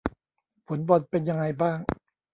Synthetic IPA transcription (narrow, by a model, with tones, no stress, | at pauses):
fo˨˩˦nbɔ˨˩t̪̚pe˧nja˧ŋa˧jbaː˥˩ŋ